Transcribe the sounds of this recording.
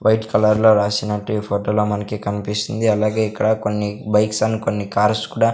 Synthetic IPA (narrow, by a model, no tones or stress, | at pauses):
ʋɐjʈkɐlɐɾlo̞ːɾaːsinɐʈːuipʰoːʈoːloːmɐnɐkikɐnipist̪ind̪iɐlaːɡe̞ːikːɐɽɐko̞nːibɐjksɐnːiko̞nːikaːɾskuːɽaː